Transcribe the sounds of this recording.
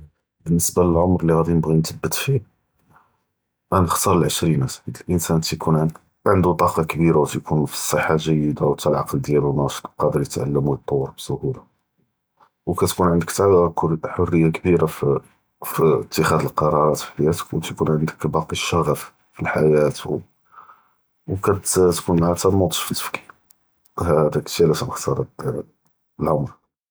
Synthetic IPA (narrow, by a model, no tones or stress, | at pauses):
bənːəsbaləlʕomɾliɣæd̪inəbɣint̪əbːət̪fi | ʔænəxt̪ɑɾˤəlʕəʃɾinæsəd̪əlʔənsænt̪kʰunʕəd̪ | ʕənd̪ut̪ˤɑqɑkbiɾawt̪jkʰunfi̥sˤːəħːalʒəjːəd̪awt̪ælʕɑqld̪jælunɑʃt̪ˤlqɑd̪əɾjət̪ʕa̰lːəmujət̪ˤːɑwːəɾbsʊhula | wkæt̪kunʕənd̪əkt̪aħorːəjːakbiɾa | fiət̪ʰːəxæd̪əlqɑɾˤɑɾˤɑt̪fi̥ħajæt̪əkwt̪jkunʕənd̪əkbɑqiʃɑɣəf | filħajæt̪w | wkænt̪t̪kunʕat̪æmot̪ˤə̥ʃfə̥t̪ːə̥fki̥ | hæd̪ækəʃilæsæməxt̪ɑɾˤɑ | əlʕʊmɾ